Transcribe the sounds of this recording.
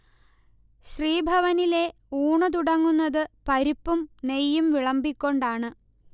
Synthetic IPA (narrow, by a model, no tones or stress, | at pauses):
ɕriːbʱɐʋɐnile̞ | uːɳɐt̪̬uɽɐŋːunːɐðɨpɐɾipːumne̞jːumʋiɭɐmbikʲːo̞ɳɖaːɳɨ